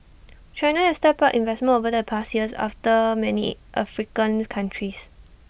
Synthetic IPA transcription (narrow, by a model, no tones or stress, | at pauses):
t͡ʃãjnahɛstɛpaʔĩnvɛsmə̃novədəpʰastjiəsa̰ftəmɛnḭʔafɹikə̃nkʰãntʰɹis